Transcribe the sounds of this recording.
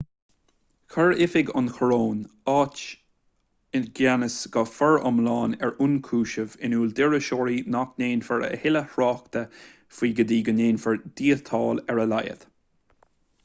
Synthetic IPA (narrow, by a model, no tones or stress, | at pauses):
kʰəɹɪfɪɡɑ̰nxʰəɹoːnɑːt͡ʃ | ɪnɡanəsɡ̥ɔfɛɹɑ̰mlɑːnɛɹunkʰuːʃəvɪnuːld̪ɪɹəʃɔːɹinakneːnfəɹə̰hɪləhɹɑːkt̪ə | fiːɡəd̪iːɡəneːnfəɹd̪iːət̪ʰɑːlɛɹəlajə̰ð̥